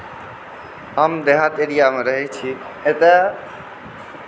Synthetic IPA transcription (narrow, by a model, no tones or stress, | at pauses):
ɦəmd̪eɦat̪eɾijameɾəɦɛt͡ʃʰi | et̪e